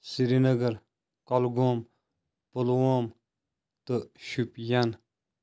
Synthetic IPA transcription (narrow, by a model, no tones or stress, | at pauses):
siɾinəɡəɾ | kɔlɡom | polwom | t̪əʃupjan